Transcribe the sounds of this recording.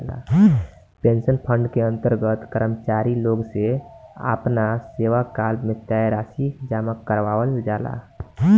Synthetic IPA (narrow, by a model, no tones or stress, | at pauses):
la̰ | pẽnsənpʰə̃ɳɖkeə̃nt̪əɾɡət̪kəɾəmt͡ʃaːɾiloːɡseə̰pnaseːʋakaːlmẽt̪jajɾaːsid͡ʒaːməkːəɾʋaːʋəld͡ʒaːla̰